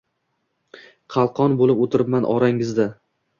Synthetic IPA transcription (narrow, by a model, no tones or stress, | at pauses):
qʰɑlˠqʰɒnbolɪpot̪ʰɪɾɪpmanʔɒ̰ɾaŋɪzd̪a